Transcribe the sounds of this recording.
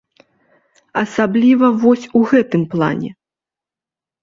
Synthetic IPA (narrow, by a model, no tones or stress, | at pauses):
ɐsablʲivɐvɔsʲuɣɛt̪ɨmplˠa̰nʲɛ̰